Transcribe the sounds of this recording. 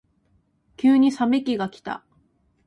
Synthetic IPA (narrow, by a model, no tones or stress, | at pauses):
kʲɨːɲ̟isame̞kʲiɡakʲi̥t̪a̰